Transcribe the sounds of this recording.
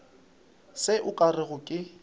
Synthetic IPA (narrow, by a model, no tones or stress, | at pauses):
sɪʔʊkʼarɪɣʊkʼɪ